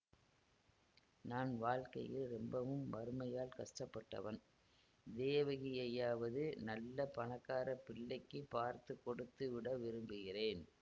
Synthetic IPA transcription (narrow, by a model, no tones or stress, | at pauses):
naːnʋaːɻkɐ̰jɪlɾɛmbɐʋɯmːɐɾɯmɐjaːlkɐʂʈɐpːɐʈːɐ̰ʋɐn | d̪eːʋɐɣɪjɐjaːʋɐðɯnɐlːɐpɐɳɐkːaːɾɐpɪɭːɐɪkːɯpːaːɾt̪ɯkːɔɽɯt̪ːɯʋɪɽɐʋɪɾɯmbɯɣɪreːn